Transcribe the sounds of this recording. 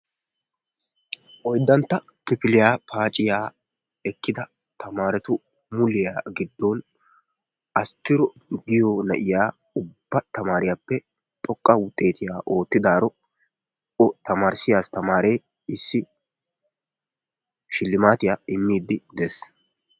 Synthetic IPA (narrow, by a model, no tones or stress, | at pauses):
ʔɔjd̪ːɐnt̪ːɐ | kɪpɪlɪjaːpʰaːt͡ʃʼɪjaː | ɛkːɪd̪ɐ | t̪ɐmaːɾɛt̪ʊ | mʊlɪjaːɡɪd̪ːɔn | ʔɐst̪ːɪɾɔ | ɡɪjɔnɐʔɪjaː | ʊbbːɐt̪ɐmaːɾɪjaːpːɛ | t̪ʼɔkʼːɐwʊt̪ʼːe̞ːt̪ɪjaːʔo̞ːt̪ːɪd̪aːɾɔ | ɔt̪ɐmaːɾsɪjaːst̪ɐmaːɾeː | ɪsːɪ | ʃɪlːɪmaːt̪ɪjaːɪmːiːd̪ːɪd̪es